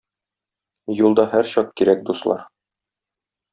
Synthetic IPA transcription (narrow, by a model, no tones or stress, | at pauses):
julˠd̪ɑhæɾɕɒq̚kiɾæk̚d̪uslˠɑ̰ɾ